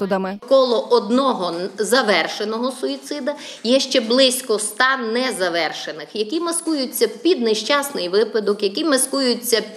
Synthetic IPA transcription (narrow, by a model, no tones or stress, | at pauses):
ʊd̪ɐmɪkɔlˠɔʔɔd̪nɔɦɔzɐʋɛrʃenɔɦɔsʊit̪sɪd̪ɐ | jɛʃt͡ʃɛblˠɪsʲkɔst̪ɑnɛzɐʋɛrʃenɪxjɐkʲimɐskujʊt͡sʲːɐpʲid̪̚neʃt͡ʃɑsnɪjʋɪpɐd̪ɔkjɐkʲimɐskujʊt͡sʲːɐ